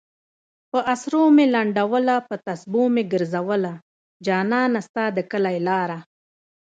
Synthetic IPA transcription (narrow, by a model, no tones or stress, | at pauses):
pəʔasɾomelaɳɖawəlapət̪asbomeɡəɾzawəla | d͡ʒɑːnɑːnast̪ad̪əkəlajlɑːɾa